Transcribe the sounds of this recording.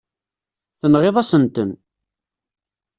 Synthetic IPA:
θənʁeðˤɑsənt̪ən

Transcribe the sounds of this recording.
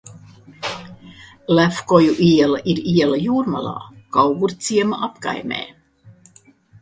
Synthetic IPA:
læfkojuʔiɛlaʔiɾiɛlajuːɾma̰lˠɑ̰ːkɑwɡuɾt̪siɛmaʔɑpkɑ̰jmḛː

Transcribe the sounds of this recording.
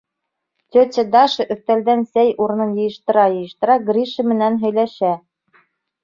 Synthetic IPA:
t̪ʲɵt̪ʲɘd̪ɑʃɤ̆ʔɵ̆θt̪æld̪ænsæjʔuɾɤ̆nɤnjɤ̆jɤ̆ʃt̪ɤ̆ɾɑjɤ̆jɤ̆ʃt̪ɤ̆ɾɑɡrʲiʃɘmɘ̆nænɦɵ̆jlæʃæ

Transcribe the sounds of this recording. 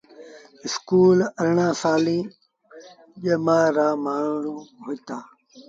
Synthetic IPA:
ɪskuːləɾɳãːsaːlĩː | ʄemãːɾãːmaːɳɽũːɦoit̪aː

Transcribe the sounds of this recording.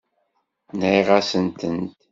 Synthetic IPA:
nʕiʁasənt̪ənt̪

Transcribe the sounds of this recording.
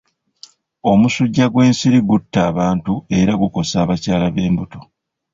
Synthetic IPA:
o̞musuɟːaɡwe̞ːnsiɾiɡutːaːβaːntue̞ɾaɡuko̞saːβacaːlaβe̞ːmbuto̞

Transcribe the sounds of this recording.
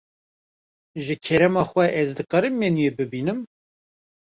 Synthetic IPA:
ʒɨkʰɛɾɛmɑːxwʷɛʔɛzd̪ɨqɛɾɨmːenjebɨbiːnɨm

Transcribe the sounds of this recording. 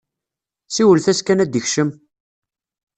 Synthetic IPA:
siwəlθæskænæd̪əçʃəm

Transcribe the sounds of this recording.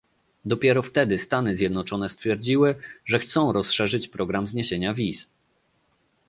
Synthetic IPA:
d̪ɔpʲjɛɾɔft̪ɛd̪ɘst̪anɘzʲjɛd̪nɔt͡ʂɔnɛst̪fʲjɛɾd͡ʑiwɘʐɛxt̪sɔ̃w̃ɾɔsʂɛʐɘt͡ɕpɾɔɡɾamzɲeɕeɲavʲis

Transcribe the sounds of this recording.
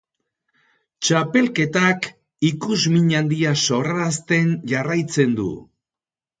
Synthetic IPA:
t͡ʃape̞lke̞t̪ak | ikuzmiɲand̪iaso̞raɾast̪e̞nʝarajt͡se̞nd̪ṵ

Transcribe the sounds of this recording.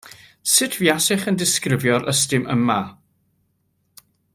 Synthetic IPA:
sɪtʰvjasɪχəndɪskrɪvjɔɾəstɪməmːa

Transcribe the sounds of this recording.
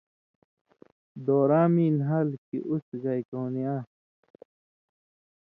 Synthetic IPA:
d̪oːɾaːmiːnɦɐlkḭʔusɣɐjkownijaː

